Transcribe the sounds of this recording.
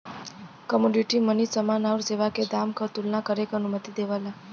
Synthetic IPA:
kəmoɖiʈimənit͡səmanauɾd͡zeʋaked̪amkəɾt̪ulnakəɾekənumət̪id̪eʋala

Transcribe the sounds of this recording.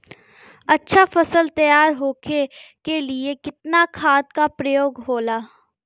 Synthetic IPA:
ɐtːʃʰafɐsəlt̪ɐjaːɾɦoːkʰekeliekɪt̪nakʰaːt̪kapɾɐjoːɡɦoːlaː

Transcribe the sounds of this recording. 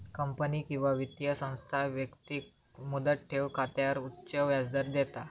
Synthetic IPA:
kəmpəniːkĩw̃ʋaʋit̪jəsə̃w̃st̪ʰaʋjəkt̪i | mud̪əʈ̪̚ʈʰeʋkʰat̪jaɾut̪ːɕəʋjad͡zd̪əɾd̪ɛt̪a

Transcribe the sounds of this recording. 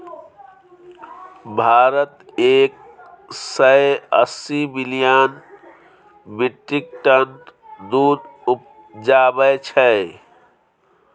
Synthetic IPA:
bʱaːɾət̪eːk̚ | səeə̰sibilijan | biʈːik̚ʈənd̪ud̪up̚ | d͡ʒaːbət͡ʃʰɛ

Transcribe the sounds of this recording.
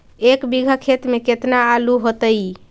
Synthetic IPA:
ekbiɡʱəkʰet̪meket̪naːluɦot̪əj

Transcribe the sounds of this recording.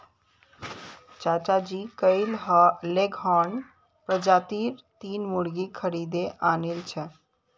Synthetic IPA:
t͡ʃat͡ʃad͡ʒikəɪlɦleɡɦɔn | pɾəd͡ʒat̪iɾt̪inmuɽɡikʰəɾid̪eʔanelt͡ʃʰɛ

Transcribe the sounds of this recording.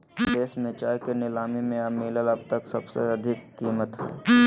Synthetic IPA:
d̪eːsmẽt͡ʃaːjkenɪlaːmimẽamiːləlɐb̚t̪əksɐbsḛɐd̪ʱɪkːiːmət̪ɦɛ̰ː

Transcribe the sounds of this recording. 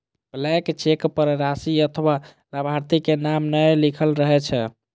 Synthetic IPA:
blɛkt͡ʃekpəɾɾasiət̪ʰwa | ləbʱaɾt̪ikenamnəjlikʰəlɾəɦɛt͡ʃʰɛ

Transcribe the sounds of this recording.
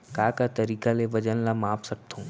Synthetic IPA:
kaːkat̪ɐɾiːkaleʋɐd͡ʒənlamãːpsɐk̚t̪ʰõː

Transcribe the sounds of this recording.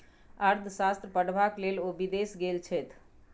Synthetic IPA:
aɾd̪ʱsast̪ɾəpəɽbaklelobid̪esɡelt͡ʃʰɛt̪ʰ

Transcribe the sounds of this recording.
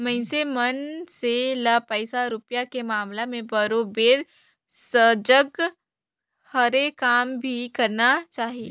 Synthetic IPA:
mɐ̃ɪsemənselapəɪsaɾʊpjakemaːmlamẽbəɾoːbeːɾ | səd͡ʒəɡ | həɾekaːmbʱikɐɾnat͡ʃaːɦi

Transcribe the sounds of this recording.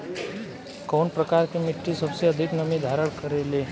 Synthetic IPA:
koɳpɾəkaɾkemiʈːisəbseəd̪ʱiknəmĩd̪ʱaɾəɭkəɾele

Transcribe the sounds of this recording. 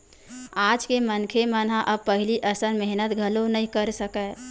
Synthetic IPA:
ad͡ʒkemənkʰemənaʔəb̚pəɦiliʔəsənmeɦnət̪ɡʱəlonəĩkəɾsəkə

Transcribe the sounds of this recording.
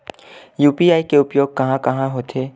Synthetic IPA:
juːpiaːikeʊpjoːɡ̚kɐɦãkɐɦãɦoːt̪ʰeː

